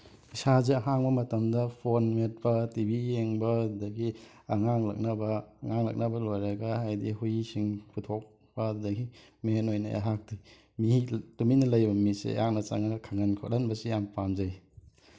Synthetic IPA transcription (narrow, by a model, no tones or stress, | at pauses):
isazeɐɦaŋbɐmɐtɐmdɐpʰonmet̚pɐtibijeŋbɐddɐɡi | ɐŋaŋlɐ̰k̚nɐbɐːŋaŋlɐ̰k̚nɐbɐlojɾɐɡɐhajdiɦujisiŋpʰutʰok̚ | bɐddɐɡimenojnɐ̰ʔa̰ɦak̚di | mituminɐlɐjbɐmisḛja̰ŋ̚nɐt͡ʃa̰ŋɐkʰaŋɐnkʰot̚lɐnbɐsijampamzɐj